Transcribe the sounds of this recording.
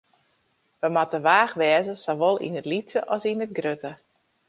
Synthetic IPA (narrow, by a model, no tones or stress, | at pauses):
ʋəmatəʋaːxʋɛːzəsoʋolˠḭnətlit͡ssəʔɔsinət̚ɡrøtə